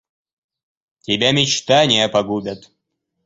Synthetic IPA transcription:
tʲɪbʲamʲɪt͡ɕt̪anʲɪjəpɐɡubʲat̪

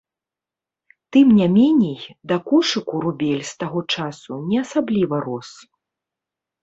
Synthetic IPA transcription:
t̪ɨmnʲamʲɛnʲɛjd̪ɐkɔʂɨkuɾubʲɛlʲst̪aɣɔt͡ʂasunʲɛasablʲivɐɾɔs

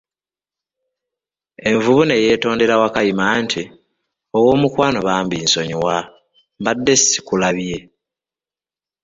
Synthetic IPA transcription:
e̞ɱvuβune̞je̞ːto̞ːnde̞ɾawakajimantʰi | o̞wo̞ːmukwaːnoβaːmbiːnso̞ɲiwa | mbadːe̞si̥kulaβje̞

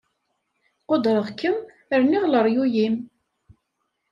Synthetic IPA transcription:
qod̪ɾəʁkːəm | əɾniʁləɾˤjujim

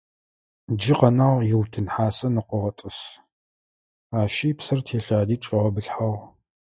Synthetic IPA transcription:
d͡ʒɪqɐnaːʁjɪwtʰɨnħaːsɐnɨqʷʊʁɐtʼɨs | aːʃiːpsɐrtʰeːɬaːdiːʈ͡ʂʷʼɪʁɐbɨɬħaʁ

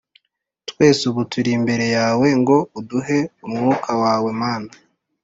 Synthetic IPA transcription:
twe̞ːsuβutuɾimbe̞ɾe̞jaːwe̞ŋɡo̞uduɦe̞umŋuːkʰawaːwe̞maːna

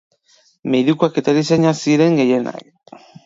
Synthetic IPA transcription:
meðikuake̞t̪aɾis̬aɲasiɾe̞ŋɡe̞je̞na̰k

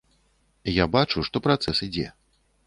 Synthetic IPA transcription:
jabat͡ʂuʂt̪ɔpɾat̪sɛsid͡zʲɛ̰

